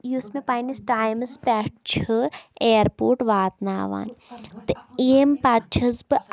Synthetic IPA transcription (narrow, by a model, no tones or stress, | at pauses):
jusmepajnisʈaːjmɨspʲɛʈ̚t͡ʃʰɨeːɾpoːʈʋaːt̪naːʋa̰ːnt̪ɨeːmpaːt͡ʃʰɐzbɨ